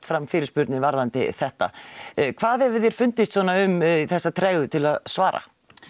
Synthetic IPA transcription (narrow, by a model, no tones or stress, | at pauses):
t̪fɾamːfɪːɾɪspʏɾt̪nɪvaɾðant̪ɪ̰θɛht̪a̰kʰvaːðɛvɪðjɛɾ̥fʏnt̪ɪst̪sɔːnaʏmθɛsːat̪ʰɾɛːjɣʏt̪ʰɪlaðsvaːɾa̰